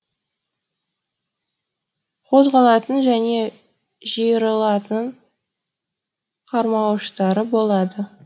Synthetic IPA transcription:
qʰo̞zʁɑlˠɑt̪ənʒæne̞ | ʒijəɾəlˠɑt̪əɴ | qʰɑɾmɑwʃt̪ɑɾəbo̞lˠɑd̪ə

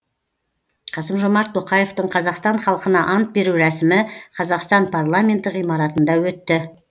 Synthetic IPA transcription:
qʰɑsəmʒo̞mɑɾt̪ʰːo̞qɑje̞ft̪əɴqʰɑzɑqst̪ɑɴχɑlˠəqənɑʔɑnt̪̚be̞ɾuɾæsɪmɪqʰɑzɑqst̪ɑnpʰarlˠamʲe̞nt̪ːɪʁijmɑɾɑt̪ənd̪ɑwɵt̪ːɪ

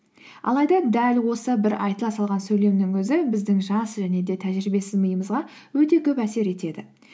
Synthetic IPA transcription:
ɑ̰lˠɑjd̪ɑd̪ælwo̞səbɪɾɑjt̪əlˠɑsɑlˠʁɑnsɵjle̞mnɪŋwɵzɪbɪzd̪ɪŋʒɑsʒæne̞d̪e̞t̪ʰæʒɾɪbe̞sɪzməjəməzʁɑ | wɵt̪e̞kʲʰɵpæse̞ɾe̞t̪e̞d̪ɪ

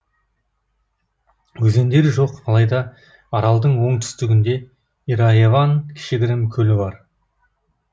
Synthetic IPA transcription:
wɵze̞nd̪e̞ɾʒo̞qɑlˠɑjd̪ɑ | ɑɾɑlˠd̪əɴwo̞ɴt̪ʰʏ̥st̪ɪɡʲɪnd̪e̞ | iɾajevɑnkʲʰɪ̥ʃɪɡʲɪɾɪmkʲʰɵlɪbɑɾ

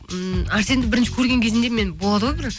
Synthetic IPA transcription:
æɾse̞nd̪ɪbɪɾɪnʃɪkʲʰɵɾɡʲe̞ŋkʲʰe̞zɪnd̪e̞me̞nbo̞lˠɑd̪əwobɪɾ

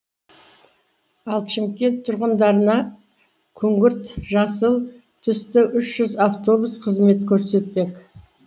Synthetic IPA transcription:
ɑlˠʃɪmkʲe̞nt̪ʰːʊɾʁənd̪ɑɾənɑ | kʲʰɵŋɡʲɪɾt̪ʒɑsəlˠ | t̪ʰʏst̪ɪʔʏʃʒ̥ʏzaft̪o̞busqʰəzme̞t̪kʲʰɵɾse̞t̪̚pe̞k

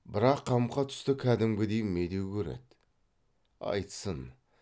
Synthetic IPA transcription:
bɪɾɑqʰːɑmqɑt̪ʰʏ̥st̪ɪkʲʰæd̪ɪmɡʲɪd̪ejnme̞d̪ewkʲʰɵɾḛd̪ | ɑ̰jt̪sən

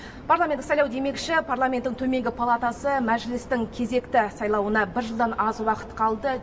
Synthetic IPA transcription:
pʰarlˠamenɪksɑjlˠɑwd̪e̞me̞kʃɪpʰarlˠamʲe̞nt̪ːɪŋt̪ʰɵme̞ŋɡʲɪpʰalˠat̪asəmæʒlɪst̪ɪŋkʲʰe̞ze̞kt̪ɪsɑjlˠɑwənɑbɪɾʒəlˠd̪ɑnɑzwɑqə̥t̪qʰɑlˠd̪ə

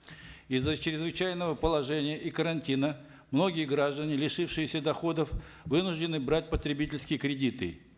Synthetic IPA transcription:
izːət͡ɕɾʲɪzvɨt͡ɕæjnəvəpəlˠɐʐɛnʲɪjəʔikəɾɐnʲtʲinə | mno̞ɡʲɪjəɡɾaʐd̪ənʲɪlʲɪʂɨfʂɨjɪsʲəd̪ɐxo̞d̪əf | vɨnʊʐdʲɪnɨbɾat̚ʲpət̪ɾʲɪbʲitʲɪlʲskʲɪjəkɾʲɪdʲit̪ɨ̰

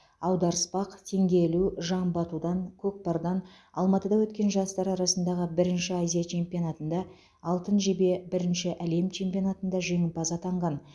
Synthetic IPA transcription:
ɑwd̪ɑɾəspɑqt̪ʰe̞ŋɡʲe̞luʒɑmbɑt̪ud̪ɑŋkʲʰɵk̚pɑɾd̪ɑn | ɑ̰lˠmɑt̪əd̪ɑwɵt̪kʲe̞nʒɑst̪ɑɾɑɾɑsənd̪ɑʁəbɪɾɪnʃɪazʲijat͡ʃʰe̞mpʲijonɑt̪ənd̪ɑ | ɑlˠt̪ənʒe̞be̞bɪɾɪnʃɪʔæle̞mt͡ʃʰe̞mpʲijo̞nɑt̪ənd̪ɑʒe̞ŋɪpɑzɑt̪ʰɑɴʁɑn

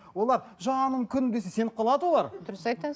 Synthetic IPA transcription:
wo̞lˠɑɾʒɑɴɑnəɴkʲʰʏnd̪e̞sese̞nqʰɑlˠɑd̪əwo̞lˠɑɾd̪ʊɾəsɑjt̪ɑ

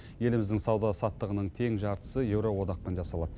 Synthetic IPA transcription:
je̞lɪmɪzd̪ɪŋsɑwd̪ɑsɑt̪ːəʁənəɴt̪ʰe̞ŋʒɑɾt̪ə̥səje̞wɾowo̞d̪ɑq̚penʒɑsɑlˠɑd̪ə

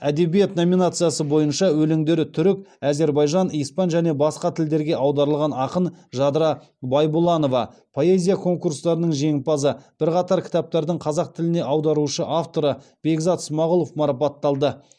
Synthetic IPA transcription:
æd̪e̞bijet̪no̞mʲinat̪sɨjasəbo̞jənʃɑwɵlɪŋd̪e̞ɾɪt̪ʰʏɾɪk̚ʲæze̞ɾbɑjʒɑnijspɑnʒæne̞bɑsqɑt̪ʰɪld̪e̞ɾɡʲe̞ʔɑwd̪ɑɾəlˠʁɑnɑqənʒɑd̪ɾɑ | bɑjbʊlˠɑno̞vɑ̰ | pʰo̞e̞zʲijakʰo̞ŋkuɾst̪ɑɾənəɴʒe̞ŋpɑzəb̥ɪɾqɑt̪ɑɾkʲʰɪ̥t̪ɑp̚t̪ɑɾd̪əɴqʰɑzɑq̚t̪ʰɪlɪne̞ʔɑwd̪ɑɾuʃəʔaft̪o̞ɾəb̥e̞ɡzɑt̪smɑʁʊlˠo̞fmɑɾɑpɑt̪ːɑlˠd̪ə

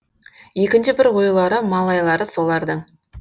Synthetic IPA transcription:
je̞kʲɪnʃɪbɪɾwo̞jlˠɑɾəmɑlˠɑjlˠɑɾəso̞lˠɑɾd̪əɴ

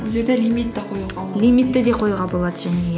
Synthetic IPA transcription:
oʒeɾd̪elʲijmit̪ːɪqʰojulˠʁɑlʲijmit̪ːɪd̪e̞qʰo̞juʁɑbo̞lˠɑd̪əʒæne

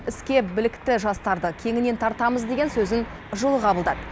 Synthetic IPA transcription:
ɪskʲe̞bɪlɪkt̪ɪʒɑst̪ɑɾd̪əkʲʰe̞ŋɪne̞nt̪ʰɑɾt̪ɑməzd̪e̞ɡʲe̞nsɵzɪn | ʒolˠəqʰɑbəlˠd̪ɑd̪ə

